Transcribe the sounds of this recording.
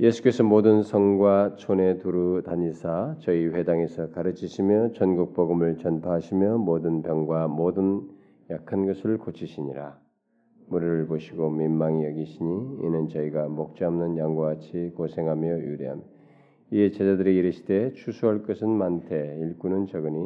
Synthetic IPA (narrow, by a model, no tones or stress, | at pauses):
je̞sʰu̥k͈e̞sʰʌmodɯnsʰʌŋɡwat͡ɕʰone̞tuɾutaɲisʰat͡ɕʌiɸwe̞daŋe̞sʰʌkaɾɯt͡ɕʰiɕʰimjʌt͡ɕʌnɡuk̚p͈ʌɡɯmɯɭt͡ɕʌnpʰaɦaɕʰimjʌmodɯnpjʌŋɡwamodɯn | jakʰanɡʌsʰɯɭkot͡ɕʰiɕʰiɲiɾa | muɾiɾɯɭboɕʰiɡominːaŋijʌɡiɕʰiɲḭːnɯnt͡ɕʌiɡamok̚t͡ɕ͈amnɯnjaŋɡwaat͡ɕʰikosʰe̞ŋɦamjʌjuɾiɦa̰m | iet͡ɕed͡ʑadɯɾiːɾɯɕʰi̥de̞t͡ɕʰusʰuɦaɭk͈ʌsʰɯnmantʰe̞iɭk͈unɯnt͡ɕʌɡɯɲi